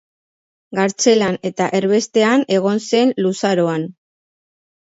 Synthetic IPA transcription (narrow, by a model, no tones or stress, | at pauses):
ɡaɾt͡se̞lane̞t̪aʔe̞ɾβe̞st̪e̞ane̞ɣ̞o̞nse̞nlusaɾo̞an